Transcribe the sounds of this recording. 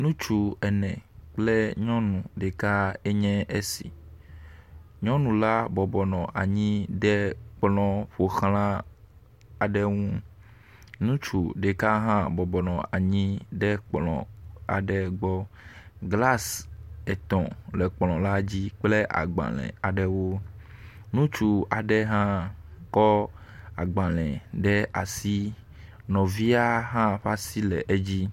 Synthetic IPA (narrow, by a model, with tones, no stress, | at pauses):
nũ˦t͡ʃu˨ɛ˨nɛ̃˨k͡ple˦ɲɔ̃˦nũ˨ɖe˨ka˦e˦ɲɛ̃˦e˦sḭ˨ | ɲɔ̃˦nũ˨la˦bɔ˨bɔ˨nɔ̃˨ʔa˨ɲĩ˦ɖɛ˦k͡plɔ̃˨ɸo˨xlã˦ | a˨ɖɛ˦ŋũ˦ | nũ˦t͡ʃu˨ɖe˨ka˦ɦã˦bɔ˨bɔ˨nɔ̃˨a˨ɲĩ˦ɖɛ˦k͡plɔ̰̃˨a̰˨ɖɛ˦ɡ͡bɔ˦ɡla˦sɛ˨t̪ɔ̰̃˨lɛ˨k͡plɔ̃˨la˦d͡ʑi˦k͡ple˦ʔa̰˨ɡ͡bã̰˨lɛ̰̃˨a˨ɖɛ˦wo˦ | nũ˦t͡ʃu˨a˨ɖɛ˦ɦã˦kɔ˦ | a˨ɡ͡bã˨lɛ̃˨ɖɛ˦ʔa˨si˦ | nɔ̃˨vi˦a˦ɦã˦ɸa˦si˦lɛ˨ʔe˦d͡ʑi˦